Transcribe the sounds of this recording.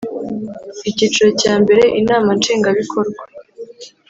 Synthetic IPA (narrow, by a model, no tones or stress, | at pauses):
icit͡ʃuɾocaːmbe̞ɾe̞ʔinaːmant͡ʃeːŋɡaβikʰo̞ɾɡwa